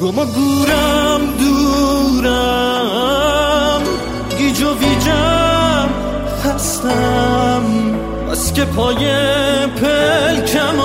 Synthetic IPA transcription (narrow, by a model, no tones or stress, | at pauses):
ɡomɔɡuːɾamd̪uɾæ | m | id͡ʒovid͡ʒa | m | hast̪am | a̰skʲepʰɔːjepʰelkʰæm